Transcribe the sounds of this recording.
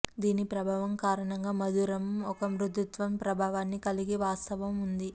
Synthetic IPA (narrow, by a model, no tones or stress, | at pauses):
d̪iːnipɾɐbʱaːʋɐmkaːɾɐɳɐŋɡaːmɐd̪uɾɐmɔkɐmɾud̪ut̪ʋɐmpɾɐbʱaːʋaːnːikɐliɡiʋaːst̪ɐʋɐmund̪i